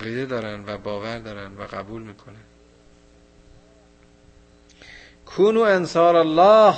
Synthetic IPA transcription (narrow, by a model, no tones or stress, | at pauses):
ɣiːd̪ed̪ɒːɾænd̪væbɒːvæɾd̪ɒːɾænd̪væɣæbuːlmiːkʰonæn | kʰuːnuːænsɒːɾalːɑːh